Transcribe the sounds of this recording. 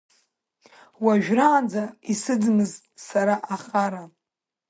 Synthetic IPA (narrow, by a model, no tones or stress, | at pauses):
waʒᶣraːnd͡zaisɨd͡zmɨz | saɾaʔaχaɾa